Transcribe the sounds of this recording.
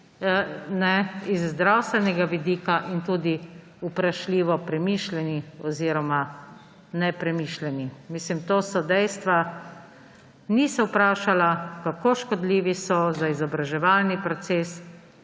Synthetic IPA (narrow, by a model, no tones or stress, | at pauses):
nɛizːd̪ɾawst̪ʋɛnɛɡaʋid̪iːkaʔint̪uːd̪i | upɾaʃliːʋɔpɾɛmiːʃlɛniɔziːɾɔma | nɛpɾɛmiːʃlɛnimiːslimt̪oːsɔd̪ɛjst̪ʋa | nisɔwpɾaːʃalakakoːʃkɔd̪liːʋisɔzaizɔbɾaʒɛʋaːlnipɾɔt̪seːs